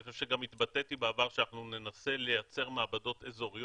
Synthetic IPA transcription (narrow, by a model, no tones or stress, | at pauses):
feʃeɡamit̪bat̪e̞t̪ibeavaʁʃeanaχnune̞nase̞le̞jat͡se̞ʁmaabado̞t̪e̞zo̞ʁij